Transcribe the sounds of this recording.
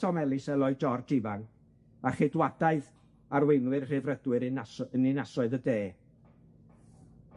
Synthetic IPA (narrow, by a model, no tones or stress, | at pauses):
ɔmɛlˠɪsɛlˠɔɨd͡ʒɔrd͡ʒɪvaŋ | aχɪdwadaɨð | arwejnwɨrr̥ɪvrədwɨɾənɪnasɔɨðədeː